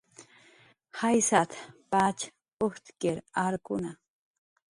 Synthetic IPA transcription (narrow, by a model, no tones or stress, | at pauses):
hajsat̪pat͡ʃ | oht̪keɾaɾkʊna